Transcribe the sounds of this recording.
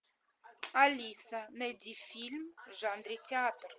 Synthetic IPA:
alʲisanəd̪ifilmʒand̪ɾit̪ʲeat̪r

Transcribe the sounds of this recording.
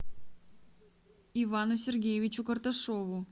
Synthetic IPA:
ɪvanʊsʲɪrɡʲejɪvʲɪt͡ɕʊkərt̪ɐʂovʊ

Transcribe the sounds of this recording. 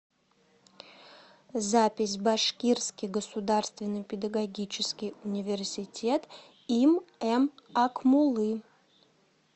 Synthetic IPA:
zapʲɪsʲbɐʂkʲirskʲijɡəsud̪arst̪vʲɪnːəpʲɪd̪əɡɐɡʲit͡ʃʰɪskʲijunʲɪvʲersʲɪtʲet̪ | imɛmakmulˠɨ

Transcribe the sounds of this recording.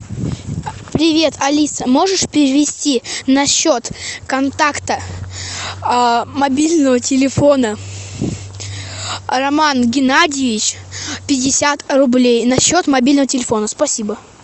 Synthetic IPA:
pɾʲɪvʲe̞t̪ʰɐlʲisəmo̞ʐɨʂpʲɾʲɪɪvʲɪsʲtʲinɐɕːot̪kɐnt̪akt̪ə | mɐbʲilʲnəvətʲɪlʲɪfo̞nə | ɾɐmanɡʲɪnadʲɪjɪvʲɪt͡ɕ | pʲɪdʲɪsʲat̪rʊblʲejnɐɕːo̞t̪mɐbʲilʲnəvətʲɪlʲɪfo̞nəspɐsʲibə

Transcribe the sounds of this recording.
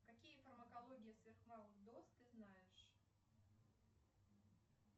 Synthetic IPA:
kɐkʲijəfərmɐkɐlˠoɡʲɪjəsvʲerxmaʊʐd̪ost̪t̪ːɨznajɪʂ

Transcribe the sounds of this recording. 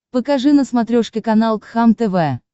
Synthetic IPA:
pəkɐʐɨnəsmɐt̪ɾʲoʂkʲɪkɐnalˠt̪xamt̪ɛvɛ

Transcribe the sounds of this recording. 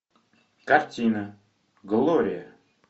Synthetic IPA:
kart͡ɕina | ɡəloɾija

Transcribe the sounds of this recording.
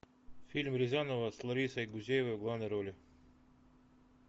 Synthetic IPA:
fʲilʲmɾʲɪzʲanəvəslˠɐɾʲisəjɡʊzʲejɪvəvɡlˠavnəjɾolʲɪ

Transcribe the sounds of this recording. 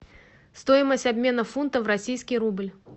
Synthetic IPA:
st̪ojɪməsʲtʲɐbʲmʲe̞nəfunt̪əvrɐsʲijskʲɪjɾublʲ

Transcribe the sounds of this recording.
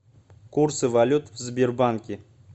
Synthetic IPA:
kuɾsɨvalʲut̪vzbʲerbaŋkʲɪ

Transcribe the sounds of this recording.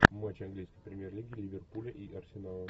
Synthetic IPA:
mat͡ɕɐnɡlʲijskəjpɾʲɪmʲjerlʲiɡʲɪlʲɪvʲɪrpulʲəʔiʔɐrsʲɪnalˠə

